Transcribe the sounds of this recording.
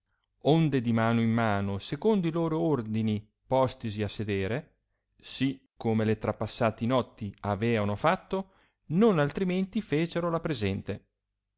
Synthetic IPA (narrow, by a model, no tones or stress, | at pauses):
ond̪ed̪imaːnoimːaːnosekond̪oiloːɾoord̪ini | pɔst̪isiasːed̪eːɾe | sikʰːomelet̪ɾapːasːaːt̪inɔt̪ːiavɛːanofat̪ːo | nonalt̪ɾiment̪ifeːt͡ʃeɾolapɾezɛnt̪e